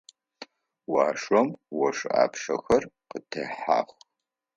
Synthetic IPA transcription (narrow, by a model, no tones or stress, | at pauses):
waːʂɐmwɔʂa̰ːpʰʂɐ̰xɐrqətʰɐħa̰ːχʷ